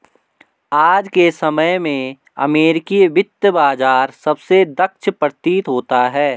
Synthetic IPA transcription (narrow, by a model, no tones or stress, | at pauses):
aːd͡ʒkesɐməjmẽ | ɐ̰meːɾɪkiʋɪt̪ːəbaːd͡ʒaːɾsɐbsed̪ɐkʃʰpɾət̪iːt̪ɦoːt̪aɦɛː